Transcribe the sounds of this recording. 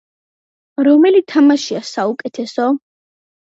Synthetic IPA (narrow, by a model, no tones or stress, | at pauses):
ɾɔmɛlit̪ʰamaʃiasaukʼɛt̪ʰɛsɔ